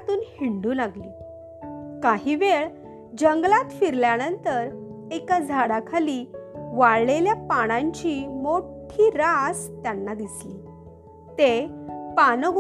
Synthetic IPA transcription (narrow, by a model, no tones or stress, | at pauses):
t̪uːnhiɳɖuːlaɡliː | kaɦiːʋeɭ | d͡ʑəŋɡlat̪fiɾljanənt̪əɾ | ekad͡zʱaɽakʰaliːʋaɭleljapaɽ̃aɲt͡ɕiːmoʈʰiːɾast̪janːad̪isliː | t̪epanɡ